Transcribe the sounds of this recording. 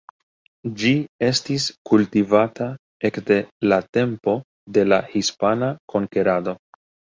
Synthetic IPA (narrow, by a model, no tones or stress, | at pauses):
d͡ʒie̞stiskultivata | e̞kde̞late̞mpo̞ | de̞lahispanakʰo̞ŋke̞ɾado̞